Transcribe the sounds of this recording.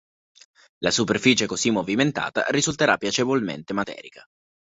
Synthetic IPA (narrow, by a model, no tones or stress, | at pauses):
lasuperfiːt͡ʃekozimːoviment̪a̰ːt̪a̰ɾizult̪eɾapːjat͡ʃevolmḛnt̪emat̪ɛ̰ːɾika